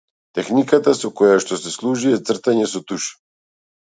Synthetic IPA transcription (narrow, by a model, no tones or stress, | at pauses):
t̪ɛxnikat̪asokɔjaʃt̪ɔsɛslˠuʒujɛt̪sr̩t̪aɲɛsot̪uʃi̥